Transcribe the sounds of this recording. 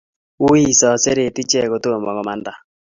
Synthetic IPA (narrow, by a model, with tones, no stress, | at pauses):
wu˦i˦˨sɔ˨se˦ɾe˨ti˦t͡ʃɛ˦˨ko˨to˦˨mɔ˨ɣɔ˨ma˨nda˨